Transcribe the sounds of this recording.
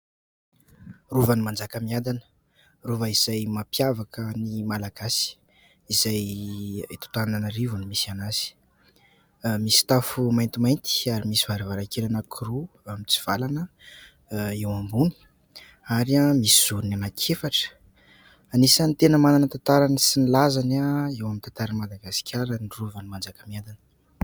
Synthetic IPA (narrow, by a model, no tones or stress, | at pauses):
ruvanimand͡zakəmiad̪anə̥ | ruvəiz̥ajmapjavakənimalaɡasi̥ | izaj | t̪o̥t̪aananaɾivunimisianasi̥ | misi̥t̪afumajnt̪imajnt̪i̥aɾimisivaɾivaɾakelanəkʰuɾu | amit͡si̥v̥alanə | ewambuni̥ | aɾiamisiz̥uɾunanakʰefaʈ͡ʂə̥ | anisant̪enəmananət̪ant̪aɾanəsinilazanaewamint̪ant̪aɾanimad̪aɡasi̥kʲʰaɾəniruvanimand͡zakəmiad̪anə̥